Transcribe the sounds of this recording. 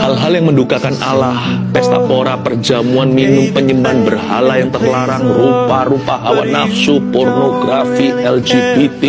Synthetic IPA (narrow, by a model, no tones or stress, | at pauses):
halɦaljaŋməndukakanalahpɛst̪a̰poɾapərd͡ʒamuanminʊmpəɲəmanbərɦa̰lajaŋt̪ərlaɾaŋruparupaɦawanafsupornoɡɾafiɛld͡ʒibit̪i